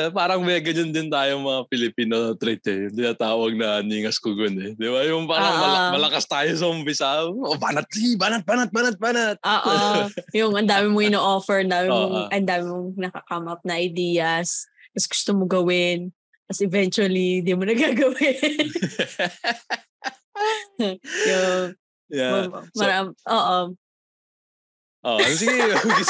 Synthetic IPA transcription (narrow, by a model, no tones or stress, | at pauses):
paːɾɐŋmɛɐɡɐɲand̪ɪnt̪aːjomɐŋapɪlɪpiːnot̪ɾɛt̪ɛjʊŋt̪ɪnaːt̪aːwɐɡ̚nɐniːŋɐskʊɡonɛd̪ɪbajʊŋpaːɾɐŋɐlmɐlɐkast̪aːjos̬ɐʔʊmpɪsaoba̰ːnɐt̪̚sibaːnɐt̪̚baːnɐt̪̚baːnɐt̪̚baːnɐt̪̚ʔoːʔojʊŋʔɐnd̪aːmɪmoɪnoʔofɛɹɐnd̪aːmɪmːoʔɐnd̪aːmɪmoŋnɐkɐkɐmʔɐp̚nɐʔɐjd̪iːjɐs | kɐsɡʊ̥st̪omoɡɐwɪn | pɐsʔɛvɛnt͡ʃuɐlind̪imonɐɡaːɡɐwɪ | jʊŋ | jamɐmɐɾamʔoːʔo | ʔo̰ʔsi